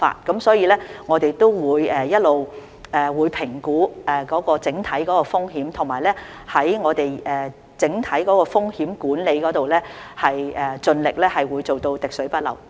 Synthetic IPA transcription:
fa̰ː˧t̚kɐ˨˥msɔː˨˥jiː˧lɛː˥ŋɔː˨˧t̪e˨jt̪o˥wwuː˨˧jɛː˨˩jɐ˥t̚lo˨w | ɛː˨wuː˨˧jpʰɪ˨˩ŋkuː˨˥ɛː˨kɔː˨˥kɔː˧t͡sɪ˨˥ŋt̪ʰɐ˨˥jkɔː˨˥kɔː˧fʊ˥ŋhiː˨˥mt̪ʰʊ˨˩ŋmaː˨˩jlɛː˥ | hɐ˨˥jŋɔː˨˧t̪e˨jɛː˨ | t͡sɪ˨˥ŋt̪ʰɐ˨˥jkɔː˨˥kɔː˧fʊ˥ŋhiː˨˥mkuː˨˥nle˨˧jkɔː˨˥t̪o˨wlɛː˥hɐ˨jʔɛː˨t͡sɵ˧nlɪ˨k̚lɛː˥hɐ˨jwuː˨˧jt͡so˨wt̪o˧wt̪ɪ˨k̚sɵ˨˥pɐ˥t̚lɐ̰˨˩w

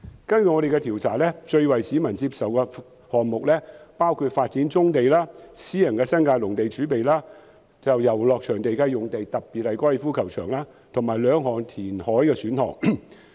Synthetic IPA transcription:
kɐ˥nky˨ŋɔː˨˧de˨jkɛ˧t̪ʰi˨˩wt͡sʰaː˨˩lɛː˥t͡ʃɵ˧ɥwɐ˨jsi˨˥mɐ˨nt͡siː˧p̚sɐ˨wkɛː˧ | hɔː˨ŋmʊ˨k̚lɛː˥paː˥wkʰuː˧t̚faː˧t̚t͡siː˨˥nt͡sʊ˥ŋt̪e˨jlaː˥siː˥jɐ˨˩nkɛː˧sɐ˥nkaː˧jlʊ˨˩ŋt̪e˨jt͡ʃyː˨˥pe˨jlaː˥ | t͡sɐ˨wjɐ˨˩wlɔː˨k̚t͡ʃʰœː˨˩ŋt̪e˨jkaː˧jʊ˨ŋt̪e˨jt̪ɐ˨k̚piː˨t̚hɐ˨˧jkʷɔː˥ɛ˨˩fuː˥kʰɐ˨˩wt͡ʃʰœː˨˩ŋlaː˥ | t̪ʰʊ˨˩ŋmaː˨˩jlœː˨˧ŋɦɔː˨˩ŋt̪ʰiː˨˩nhɔː˨˥jkɛː˧syː˨˥nhɔ̰ː˨˩ŋ

